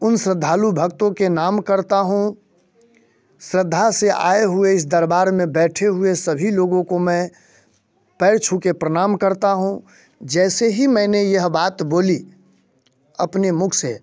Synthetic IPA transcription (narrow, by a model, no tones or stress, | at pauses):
ʊnsɾəd̪ʱaːlubʱəkt̪õkenaːmkəɾt̪aɦũ | sɾəd̪ʱːaseʔa̰ːeɦʊeɪs̬d̪əɾbaːɾmẽbɛːʈʰeɦʊesəbʱiloːɡõkomɛ̃ | pɛːɾt͡ʃʰũkepɾəɽ̃aːmkəɾt̪aɦũ | d͡ʒɛːseɦimɛ̃ːnejəɦbaːt̪boːli | ə̰pnemʊkʰse